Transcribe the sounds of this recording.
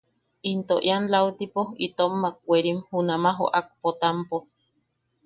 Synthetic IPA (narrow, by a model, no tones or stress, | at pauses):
int̪oʔjanlawt̪ipoit̪omːak̚ːʷeɾimhunamaɦo̰ʔak̚pot̪ampo